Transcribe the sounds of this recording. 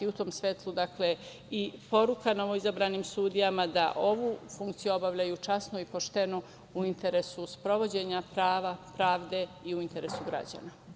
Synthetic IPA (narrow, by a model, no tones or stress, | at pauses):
iut̪o̞ːmsʋet̪lˠud̪akle | ipo̞ɾukano̞ʋo̞izabɾaːniːmsuːd̪ijamad̪a̰ʔo̞ʋuːfuŋk̚t̪sijuo̞baʋʎajut͡ʃasnoipo̞ʃt̪e̞no | uint̪e̞ɾesuspɾo̞ʋo̞d͡ʑe̞ɲapɾaːʋapɾaːʋd̪e̞iuint̪e̞ɾe̞suɡɾa̰d͡ʑa̰na